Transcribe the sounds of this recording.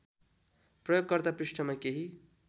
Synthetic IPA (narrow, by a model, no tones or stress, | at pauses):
prʌjoɡ̚kʌrt̪apɾiʂʈʰʌmakeɦi